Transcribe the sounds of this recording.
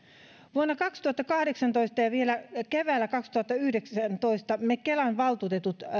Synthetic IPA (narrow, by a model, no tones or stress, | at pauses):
ʋuonːɑkɑkst̪uhɑt̪ːɑkɑhdeksɑnt̪oist̪ɑjɑʋielækeʋæːlːækɑkst̪uhɑt̪ːɑyhdeksænt̪oist̪ɑmekelɑnʋɑlt̪uːt̪et̪ut̪